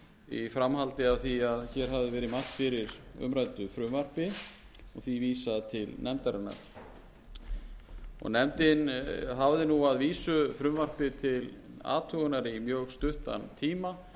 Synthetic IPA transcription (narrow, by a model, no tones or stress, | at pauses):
ifɾamɦalt̪ɪavθiaðçɛɾ̥ɦavðɪvɛːɾɪmar̥t̪fɪɾɪɾʏ̰mɾajt̪ʏfɾʏmvar̥pɪ | ɔɣθiviːsaðt̪ʰɪlnʔɛmt̪aɾɪnːa̰ɾ̥ | ɔ̰ɣnɛmt̪ɪnɦavðɪnuaðviːsʏfɾʏmvar̥pɪt̪ʰɪla̰ːt̪ʰœɣʏnaɾimjœːɣst̪ʏht̪a̰nt̪ʰiːma